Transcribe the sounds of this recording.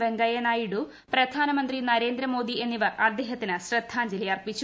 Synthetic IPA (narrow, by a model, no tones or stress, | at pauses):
ʋeŋɡɐjenaːjiɽu | prɐd̪ʱaːnɐmɐnd̪rinɐɾe̞ːnd̪ɾɐmo̞ːd̪ie̞nːiʋɐrɐd̪ːeːɦɐt̪ːinɨɕrɐd̪ʱaːɲd͡ʑilɐjɐrpit͡ɕːu